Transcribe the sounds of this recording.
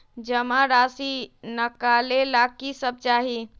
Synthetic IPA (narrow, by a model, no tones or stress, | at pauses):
d͡ʒəmãɾasinəkalelakisəb̚t͡ʃaɦi